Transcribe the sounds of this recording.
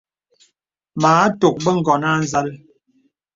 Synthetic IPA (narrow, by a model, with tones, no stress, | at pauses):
maː˨˦to˨k̚bə˦ŋ̩˦˨ɡɔ˨na˦˨n˦za˦l